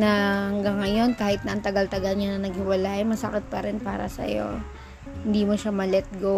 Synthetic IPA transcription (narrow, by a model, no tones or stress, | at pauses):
nɐhɐŋɡɐŋːɐjo̞nkaːhɪt̪̚nɐʔɐŋt̪ɐɡɐlt̪ɐɡɐlɲanɐnɐɡ̚hɪwɐlaːjmɐsɐkɪt̪̚pɐɾɛnpa̰ːɾɐ̰sɐ̰jo̞̰ | hɪnd̪iːmoʃamɐlɛt̪̚ɡo